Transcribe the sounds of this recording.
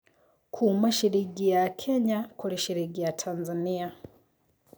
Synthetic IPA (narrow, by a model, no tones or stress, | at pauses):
kʰumaʃiɾiɡijakʰɛɲakʰuliʃiɾiɡijatʰanzania